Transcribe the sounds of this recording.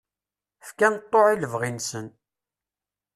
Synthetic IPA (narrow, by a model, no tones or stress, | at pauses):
fkænt̪ˤːoʕiləvʁinsən